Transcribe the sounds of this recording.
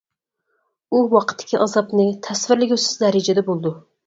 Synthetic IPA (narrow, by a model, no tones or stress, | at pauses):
uwɑqʰə̥t̪ʰːɪ̥kʲʰiʔɑzɑpnɨt̪ʰɛsvɪɾlɪɡʲøsɪ̥zd̪ɛɾɪd͡ʒɛd̪ɛbolˠd̪u